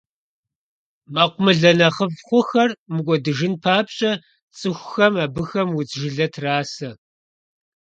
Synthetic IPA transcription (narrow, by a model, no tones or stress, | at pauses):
maqʷʊmɨɮɐnɐχəvχʷʊxɐrmɨɡʷɔdɨʒɪnpʰaːpɕʼɐ | t͡sʼɨxʷxɐmaːbɨxɐmwʊt͡sʒɪɮɐtʰraːsɐ